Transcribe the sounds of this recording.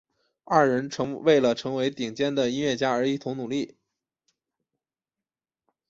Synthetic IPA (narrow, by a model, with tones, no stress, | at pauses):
a˥˩ɻə˧˥nʈ͡ʂʰɤ˧˥ŋwe˥˩ɪlə˩ʈ͡ʂʰɤ˧˥ŋwe˧˥ɪt̪i˨˩ŋt͡ɕjɛ˥nd̪ə˨i˥nɥɛ˥˩t͡ɕja˥ə˞˧˥i˥˩t̪ʰʊ˧˥ŋnu˨˩li˥˩